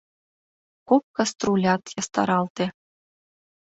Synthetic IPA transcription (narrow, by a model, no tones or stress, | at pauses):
kok̚kɑst̪rulʲɑt̪jɑst̪ɑ̰ɾɑlˠt̪ʲĕ